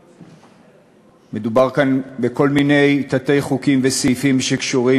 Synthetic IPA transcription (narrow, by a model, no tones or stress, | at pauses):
me̞dubaʁkanbeko̞lmine̞jt̪at̪e̞jχukimvesefimʃe̞kʃuʁi